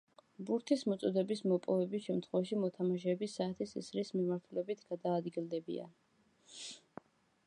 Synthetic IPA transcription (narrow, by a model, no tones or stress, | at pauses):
buɾt̪ʰismɔt̪sʼɔd̪ɛbismɔpʼɔvɛbisʃɛmt̪ʰχwɛvaʃimɔt̪ʰamaʃɛːbisːaːt̪ʰisḭsɾismimaɾt̪ʰulɛbit̪ʰɡ̥ad̪aːd̪ɡilˠd̪ɛbḭa̰n